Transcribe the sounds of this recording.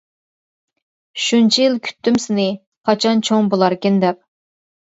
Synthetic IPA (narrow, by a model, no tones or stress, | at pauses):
ʃunt͡ʃʰijilˠkʲʰy̥t̪ʰːymsɪnɪ | qʰɑt͡ʃʰɑnt͡ʃʰoŋbolˠɑɾkʲɪnd̪ɛp̚